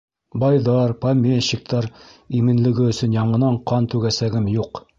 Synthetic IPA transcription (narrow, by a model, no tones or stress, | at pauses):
bɑjðɑɾpamʲeɕik̚t̪ɑɾimɘ̆nlɘ̆ɡɘɵ̆sɵnjɑɴɤ̆nɑɴqɑnt̪ʉɡæsæɡɘmjuq